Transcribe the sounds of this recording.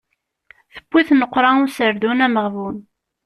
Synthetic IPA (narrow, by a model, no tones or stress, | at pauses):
θəb̥ːiθnəqːɾˤɑʊsəɾðunæməʁvun